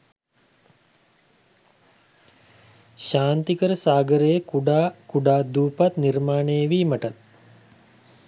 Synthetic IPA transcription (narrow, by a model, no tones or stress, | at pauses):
ʃaːnt̪ikəɾəsaːɡəɾejəkuɖaːkuɖaːd̪uːpat̪niɾmaːneːʋiːməʈat̪̚